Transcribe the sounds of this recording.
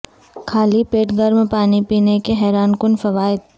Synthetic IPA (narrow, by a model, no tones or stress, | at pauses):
kʰaːlipeːʈɡɐɾmpaːnipiːnekeɦɛːɾaːnkʊnfɐʋaːɪd̪̚